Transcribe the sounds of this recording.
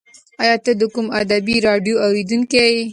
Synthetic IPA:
ajɑt̪əd̪əkumad̪abiɾɑɖijoawɾid̪uŋkee

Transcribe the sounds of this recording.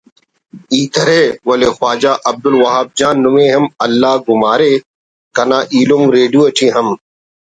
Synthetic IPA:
iːt̪ɐɾeːwɐleːxwaːd͡ʒaːʔɐb̚d̪ʊlwɐɦaːb̚d͡ʒaːnːʊmẽːɦɐmɐlːaːɡʊmaːɾeː | kɐnaːʔiːlumɾeːɖuɐʈʰĩːɦɐm

